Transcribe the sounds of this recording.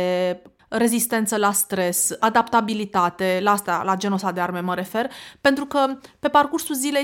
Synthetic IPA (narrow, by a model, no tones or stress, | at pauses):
e | re̞zist̪e̞nt̪səlast̪ɾe̞sad̪apt̪abilit̪at̪e̞laast̪a̰lad͡ʒenosad̪earme̞məɾe̞fe̞rpent̪ɾukəpe̞parkursulzile̞j